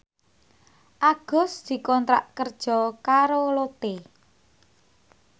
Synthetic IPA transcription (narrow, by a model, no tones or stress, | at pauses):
ʔaɡ̥ɔ̤sd̪̥i̤kɔnt̪ɾa̰ʔkərd̥ʒ̥ɔ̤kaɾolot̪e